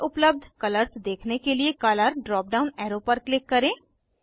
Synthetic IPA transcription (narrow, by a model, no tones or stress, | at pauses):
ʔʊpləb̚d̪ʱkɐləɾsd̪eːkʰnekeliekɐləɾɖɾɔːp̚ɖaːʊnɛːɾopəɾklɪkːɐɾẽː